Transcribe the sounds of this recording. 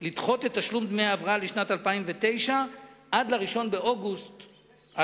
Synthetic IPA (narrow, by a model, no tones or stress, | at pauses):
lid̪χo̞tet̪ːaʃlumd̪mejaavʁaaliʃnat̪alpaimvet̪e̞jʃaʔad̪laʁiʃo̞nbe̞ʔo̞ɡust̪ | a